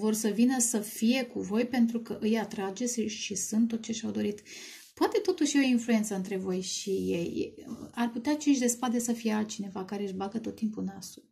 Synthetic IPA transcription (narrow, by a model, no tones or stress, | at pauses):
vo̞rsəvinəsəfije̞kuvo̞jpe̞nt̪ɾukəʔɨjat̪ɾad͡ʒe̞sʲʃisɨnt̪ːo̞t̪̚t͡ʃe̞ʃawd̪o̞ɾit̪ | poat̪e̞t̪o̞t̪uʃjeoinfluje̞nt̪səɨnt̪ɾe̞vo̞jʃijej̰arput̪eat͡ʃiʃ̬ʲd̪e̞spad̪esəfije̞alt̪̚t͡ʃine̞vakaɾe̞ɨʒbaɡət̪o̞t̪ːimpunasu